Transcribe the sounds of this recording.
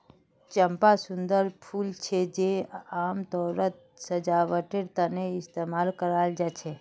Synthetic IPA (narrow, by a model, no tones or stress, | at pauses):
t͡ʃəmpasʊ̃nd̪əɾpʰuːlt͡ʃʰed͡ʒeaːmt̪ɔːɾət̪̚ | səd͡ʒaʋəʈeɾt̪aneɪst̪emaːlkəɾald͡ʒat͡ʃʰe